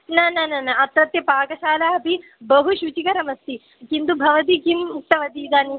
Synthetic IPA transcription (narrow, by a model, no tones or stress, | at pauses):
nɐnɐnɐnɐɐt̪ɾɐt̪jɐpaːkɐʃaːlaːɐpi | bɐɦuʃut͡ʃikɐɾɐmɐst̪i | kind̪ubʱɐʋɐt̪̬ikimt̪ɐʋɐd̪iːd̪aːni